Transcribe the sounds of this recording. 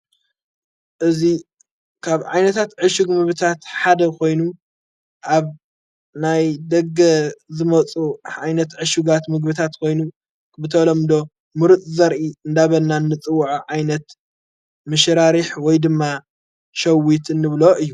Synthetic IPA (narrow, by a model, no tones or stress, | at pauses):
ʔɨzi | kʰaβʕa̰jnɐt̪ʰat̪ʕɨʃuɡmɨɡβɨt̪ʰat̪ħad̪ɐkʰo̞jnu | ʔaβ | najd̪ɐɡːɐzɨmɐt͡sʼuʕajnɐt̪ʕɨʃuɡat̪mɨɡbɨt̪ʰat̪kʰo̞jnu | bɨt̪ʰɐlɐmd̪o̞ | mɨɾɨt̪ʼzɐɾʔiɨnd̪aβɐlnːanːɨt͡sʼɨwːuʕʕajnɐt̪ | mɨʃɾaɾiħwɔjd̪ɨmːa | ʃɐwit̪ɨnːɨβloʔɨjːu